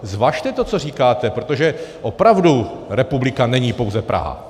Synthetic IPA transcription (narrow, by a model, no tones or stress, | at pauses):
zvaːʃt̪ɛt̪ot͡so̞r̝iːkaːt̪ɛpɾot̪oʒɛʔo̞pɾavduɾɛpublɪkanɛɲiːpo̞wzɛpɾʔa̰ɦa̰